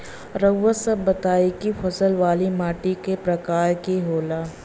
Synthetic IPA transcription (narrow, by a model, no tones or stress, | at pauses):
ɾəɡːəsɐbbɐt̪aːikifʰɐsəlʋaːlimaːʈikepɾɐkaːɾkiɦoːlaː